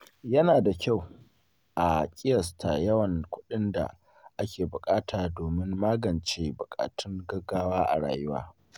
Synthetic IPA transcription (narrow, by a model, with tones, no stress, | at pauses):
jɐ˦naː˨da˨kʲa˦˨w | ʔa˨kʲʼɪ˦jɐ˨stʰa˨jɐ˦wɐ˨ŋkʷʊ˦ɗɪ˦nda̰˨ | ʔa˦kʲeː˨bʊ˨kʼaː˦tʰaː˨doː˨mɪ˦ŋːaː˦ɡɐ˨nt͡ʃeː˦bʊ˨kʼa̰ː˨tʰʊ˦ŋɡɐ˦ɡːaː˦waː˦ʔa̰˨ɽa̰ː˨jʊ˦wa̰ː˦